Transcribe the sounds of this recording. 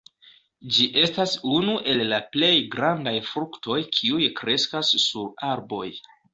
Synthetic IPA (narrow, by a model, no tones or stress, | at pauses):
d͡ʒiʔe̞stasunuʔe̞lːaple̞jɡɾandajfɾuktʰo̞jkʰiujkɾe̞skasːuaɾbo̞j